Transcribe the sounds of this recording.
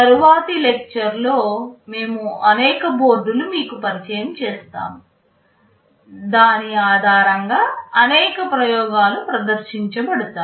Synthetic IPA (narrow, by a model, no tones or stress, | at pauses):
t̪ɐɾuʋaːsilek̚t͡ʃɐɾlo̞ːme̞ːmuɐnɛːkɐbo̞ːɾɖ̪ulumiːkupɐɾit͡ʃɐjɐmt͡ʃɛːst̪a̰ːmu | d̪aːniaːd̪ʱaːɾɐŋɡaːɐnɛːkɐpɾɐjɔːɡaːlupɾɐd̪ɐɾʃiɲt͡ʃɐbɐɽut̪aː